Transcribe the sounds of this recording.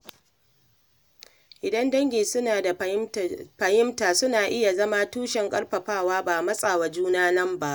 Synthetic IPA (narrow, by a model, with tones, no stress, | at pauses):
ʔɪ˨dɐ˦ndɐ˦ŋɡʲeː˨sʊ˦naː˨da˨ | ɸɐ˨jɪ˦mtaː˨sʊ˦naː˨ʔɪ˦ja˨zɐ˦maː˦tuː˦ʃɛ˨ŋkʼɐ˦rɸɐ˨ɸaː˦˨waː˦baː˨mɐ˦sʼaː˨wa˨d͡ʒuː˦naː˦nɐ˦mba˦ʔ